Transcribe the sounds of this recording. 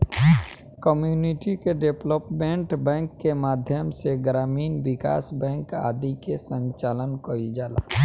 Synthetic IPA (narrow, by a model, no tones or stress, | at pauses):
kəmjuːniʈikeɖepləpmẽɳʈbɛ̃ːŋkːemaːd̪ʱjəmseɡɾaːmiːnʋɪka̰ːsbɛ̃ːŋka̰ːd̪ikesə̃nt͡ʃaːlənkəid͡ʒaːla̰ː